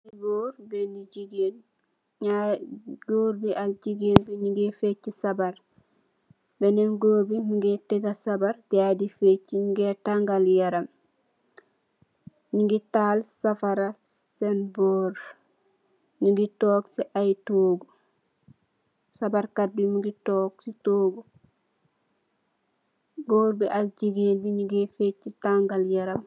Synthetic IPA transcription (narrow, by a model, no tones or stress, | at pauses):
iboːɾbeniɟiɡeːn | ɲaɡoɾbiʔalɟiɡeːnbeɲuŋɡefecːisabaɾ | bɛnenɡoːɾbiɲuŋɡeteɡasabaɾdadifecːiɲuŋɡetaŋɡaljaɾam | ɲuŋɡitalsafaɾasɛnboːɾ | ɲuŋɡitoːksiʔajtoːɡu | sabaɾkat̚bimuɡitɔːksitoːɡu | ɡoːɾbiʔalɟiɡenbiɲuɡefet͡ʃːitaŋɡaljaɾam